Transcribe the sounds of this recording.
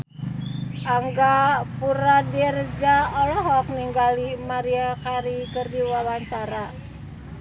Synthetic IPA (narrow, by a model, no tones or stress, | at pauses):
ʔaŋɡapuɾadiɾəd͡ʒaɔlɔɦɔk̚niŋɡalimaɾiakaɾikərdiwawaɲt͡ʃaɾa